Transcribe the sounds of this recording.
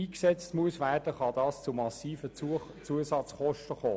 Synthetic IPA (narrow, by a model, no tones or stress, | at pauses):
iːksɛt͡stmuəsʋæːrd̥əχɑdɑːst͡sʊmɑsiːfə | t͡suəsɑt͡sχɔʃtəχoː